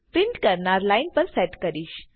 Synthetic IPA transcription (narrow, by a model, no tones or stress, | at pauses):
pɾiɳʈkəɾɳaɾlajnpəɾsɛʈkəɾiːɕ